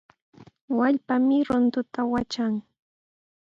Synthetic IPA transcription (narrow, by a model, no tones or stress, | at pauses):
waʎpamɪɾʊnt̪ʊt̪awat͡ʃaŋ